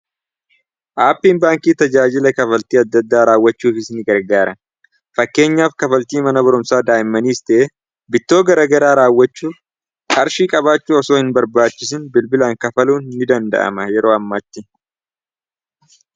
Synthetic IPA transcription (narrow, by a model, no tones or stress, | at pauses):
ʔaːpːiːnbaːŋkiːt̪ɐd͡ʒaːd͡ʒɪlɐkɐfɐlt̪iːɐd̪ːɐd̪ːaːɾaːwːɐt͡ʃːuːfɪsnɪɡɐɾɡaːɾɐn | fɐkːe̞ːɲːaːfkɐfɐlt̪iːmɐnɐbɐɾʊmsaːd̪aːjɪmːɐniːst̪ɛʔe | bɪt̪ːo̞ːɡɐɾɐɡɐɾaːɾaːwːɐt͡ʃːuːf | kʼɐɾʃiːkʼɐβaːt͡ʃːuːɔsoːhɪnbɐɾbaːt͡ʃːɪs̬ɪnbɪlbɪlaːŋkɐfɐluːnːɪd̪ɐnd̪ɐ̰ʔɐ̰mɐjɛɾo̞ːɐmːɐt̪ːɪ